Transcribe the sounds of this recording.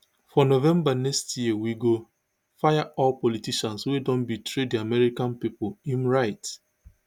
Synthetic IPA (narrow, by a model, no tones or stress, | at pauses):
fɔnovɛ̃mbanɛkstjiwiɡo | fajaʔɔlpɔlitiʃãnswedɔ̃nbitʰɾediamɛɾikãnpipʊlĩmɹaɪt